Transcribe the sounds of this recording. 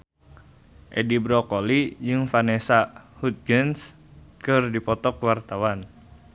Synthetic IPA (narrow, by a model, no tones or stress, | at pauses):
ʔɛdibɾɔkolid͡ʒɨŋfanɛsahut̪̚ɡəns | kɨrdipɔt̪ɔkwart̪awan